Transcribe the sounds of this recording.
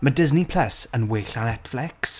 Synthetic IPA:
mədɪznipʰl̥əsə̃nweːɬanɛtflɛks

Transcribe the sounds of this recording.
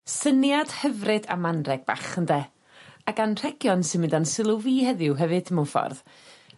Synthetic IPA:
sənjad̥həvrɨda̰manrɛɡ̚b̥a̰χəndɛ | aɡanr̥ɛɡjɔnsɪnmɪndansɪlˠʊviːhɛðɪʊwɦɛvɨdəmʊfɔ̰rð

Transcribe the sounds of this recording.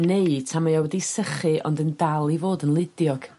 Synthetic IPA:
neɨtʰamajawɛdisəχɨʔɔ̰ndəndalˠivoːdənlˠɪdjɔɡ̥

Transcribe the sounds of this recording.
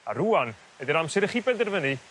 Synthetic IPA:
a̰ɾuan | ɛdəɾamsɛɾəχibɛdərvəni

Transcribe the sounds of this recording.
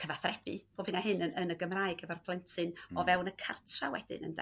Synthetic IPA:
kʰəvaθrɛb̥ɨb̥oːb̥ɨnaɦɨnəənəɡəmraːɨɡɛvarpʰlˠɛntʰɨnɔvɛwnəkʰartʰrawɛdɪ̰nə̰nda̰

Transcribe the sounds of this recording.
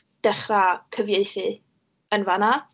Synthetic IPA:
d̥ɛχrakʰəvjeɨθɨ | ənvana

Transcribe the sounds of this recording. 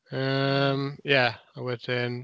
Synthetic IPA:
ʌ̃mjæaɪwʌzɪ̃n

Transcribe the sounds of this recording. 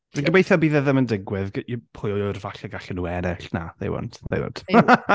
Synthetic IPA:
əɡəmejθabiːðəðəməndɪɡwɪðpʰʊjɔɔɨrvaɬɛɡaɬənuɛnɛɬna̰ðḛjwɔ̰nd̥ðḛjwɔ̰nd̥

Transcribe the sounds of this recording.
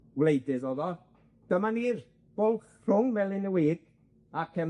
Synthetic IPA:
wlejdɪðoðɔ | d̥əmaniːr | b̥olˠχ | r̥ʊŋmɛlˠɪnəwiːɡ̥ | akʰɛm

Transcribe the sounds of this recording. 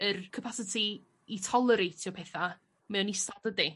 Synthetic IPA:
ərkʰəpʰasɪtʰiː | tʰɔlˠəɾejtʰjɔpʰɛθa | mɛwnistadədi

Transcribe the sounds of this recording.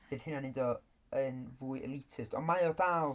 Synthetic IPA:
b̥eːð̥hɪnanɪ̃ndɔ | ənvuːɨʔɛ̰lˠitʰɪstʰɔmajɔdaːlˠ

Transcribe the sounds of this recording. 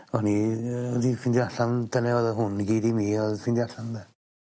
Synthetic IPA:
ɔniɔdifɪndiaɬamd̥anɛɔðəɦʊnɡiːdimiːɔðfɪndiaɬamðɛ

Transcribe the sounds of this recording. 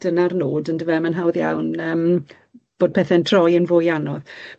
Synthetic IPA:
d̥ənarnoːdəndəvɛmənɦawðja̰wnəːm | b̥oːd̚pʰɛθɛntʰr̥ɔjənvoːjanɔð

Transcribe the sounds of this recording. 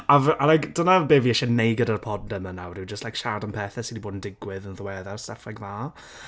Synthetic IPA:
avalajkd̥ənabeːviɛʃɛnejɡɪdarpʰɔdnəmənawrɪwd͡ʒəstlajkʃardanpʰɛːθɛsidiboːdn̩dɪɡwɪðənðəwɛðarsɛfɛɡmaː

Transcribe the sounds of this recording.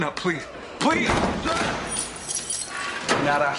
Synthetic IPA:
nʌpʰl̥iz̥ | pʰl̥iz | naɾa

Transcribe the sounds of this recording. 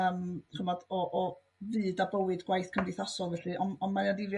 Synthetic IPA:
əːmχəmɔd̥ɔʔɔ | vɨːdabəwɨdɡwajθkʰəndɨθasɔlˠvɛɬɨʔɔnɔnmajadɪvj

